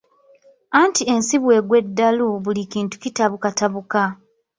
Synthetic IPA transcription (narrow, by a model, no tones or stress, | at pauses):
antie̞nsiβwe̞ːɡwe̞dːaluβulikiːntu̥citaβukataβuka